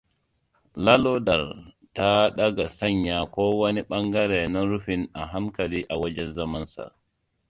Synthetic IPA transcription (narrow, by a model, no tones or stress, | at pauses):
lalɔdaɾ | taɗaɡasaɲːakɔwoniɓaŋɡaɾɛnɔɾufinaɦamkaliʔawad͡ʒɛnzamansa̰